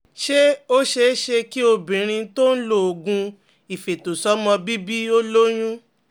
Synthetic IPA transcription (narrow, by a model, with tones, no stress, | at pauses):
ʃe˦o˦ʃe˧˦ʃe˧ki˦o˧bĩ˨ɾ̃ĩ˧to˦n̩˦lo˦˨ɡũ˧ | i˨fe˨to˨sɔ˨˦mɔ̃˧bi˦bi˦o˦lo˦j̃ũ˦